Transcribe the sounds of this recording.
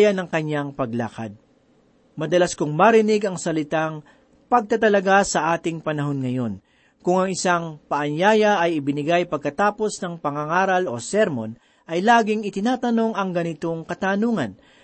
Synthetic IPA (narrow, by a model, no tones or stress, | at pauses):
jɐnɐŋkɐɲːaŋpɐɡla̰ːkɐ̰d̪̚ | mɐd̪ɐlaskʊŋmɐɾɪnɪɡɐŋsɐlɪt̪aŋ | pɐɡ̚t̪ɐt̪̬ɐlɐɡasɐʔaːt̪ɪŋpɐnɐɦo̞nŋɐjo̞n | kʊŋɐŋɪsaŋpɐʔɐɲjaːjɐʔɐjɪbɪnɪɡajpɐɡ̚kɐt̪aːpo̞snɐŋpɐŋaŋaːɾɐlo̞̰sɛɾmon | ʔɐjlaːɡɪŋɪt̪ɪnaːt̪ɐno̞ŋɐŋɡɐnɪt̪o̞ŋkɐt̪aːnuːŋɐ̰n